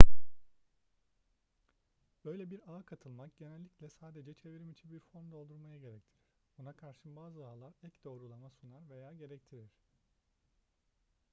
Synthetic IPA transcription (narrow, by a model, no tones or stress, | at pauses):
b̥ø̞jlʲɛbiɾaːkʰat̪ʰɯlˠmakɟ̥e̞nɛlʲːiclʲɛsaːd̪e̞d͡ʒɛt͡ʃʰe̞viɾimit͡ʃʰinbiɾfo̞nd̪o̞lˠd̪uɾˠmajaɟe̞ɾɛct̪ʰiɾiɾ | bunakʰaɾʃɯbaːzɯaːlˠaɾɛcd̪o̞ːɾulˠamasunaɾve̞jaːɟe̞ɾɛc̚t̪ʰiɾiɾ̥